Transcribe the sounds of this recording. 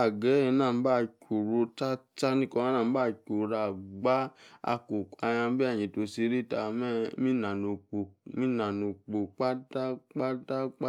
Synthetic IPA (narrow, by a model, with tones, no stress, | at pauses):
a˨ɡɛ˨˦ɛ˧˦nãː˦˨m̩˦ba˦˨kʲu˨ɾo˧ta˦t͡ʃa˦nĩ˦kɔ̃˧ã˦nãː˦˨˦ba˦˨ko˨ɾa˨ɡ͡ba˦a̰˧ko˨ka˧jã˧˦bi˦a˦˨jĩ˨to˧si˧˦ɾi˦˨ta˧mɛ˦mĩ˦nã˨no˨k͡po˨mĩ˦nã˨no˨k͡po˨k͡pa˦ta˦k͡pa˦ta˦k͡pa˦